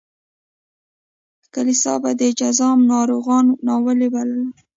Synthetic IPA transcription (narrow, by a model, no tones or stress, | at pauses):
kalisɑ̰bad̪əd͡ʒazɑmnɑɾoɣɑnnɑwəlebaləla